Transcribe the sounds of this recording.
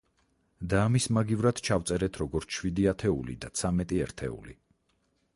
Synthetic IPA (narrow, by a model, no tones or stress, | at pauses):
d̪aːmismaɡivɾad̪̥t͡ʃʰaft̪sʼɛɾɛt̪ʰɾɔɡɔɾt̪ʰʃwid̪iat̪ʰɛulḭd̪at̪sʰamɛt̪ʼiɛɾt̪ʰɛ̰ṵli